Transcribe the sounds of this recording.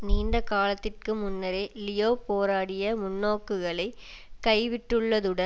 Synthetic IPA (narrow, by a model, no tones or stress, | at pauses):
niːnd̪ɐkaːlɐt̪ːɪrkɯmʊnːɐɾeːlɪjoːpoːɾaːɽɪjɐmʊnːoːkːɯɣɐɭɐɪ | kɐɪʋɪʈːɯɭːɐðɯɽɐ